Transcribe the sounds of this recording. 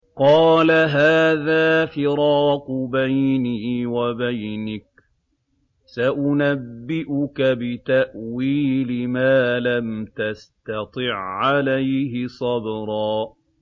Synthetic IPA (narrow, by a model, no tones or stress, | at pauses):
qɑːlaɦaːðaːfɪɾɑːqbajniːwabajnɪk̚ | saʔʊnabːɪʔʊkabɪt̪aʔwiːlɪmaːlamt̪ast̪ɑt̪ˤɨʕːalajhɪsˤɑbɾˤɑː